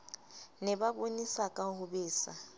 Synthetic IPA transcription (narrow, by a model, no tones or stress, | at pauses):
nɛbabonisakʼaɦʊbeːsa